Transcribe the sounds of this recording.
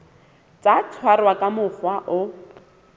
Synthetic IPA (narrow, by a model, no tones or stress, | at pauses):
t͡sat͡sʰwarwakʼamʊfwaʔʊ